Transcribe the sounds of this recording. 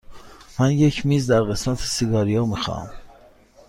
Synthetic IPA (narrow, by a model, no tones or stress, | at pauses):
mænje̞cʰmiːzd̪æɾɣe̞smæt̪ʰe̥siɡɒːɾijɒːmixɒ̰m